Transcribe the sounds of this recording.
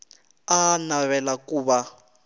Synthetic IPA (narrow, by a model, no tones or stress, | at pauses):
anaβɛlakuːβa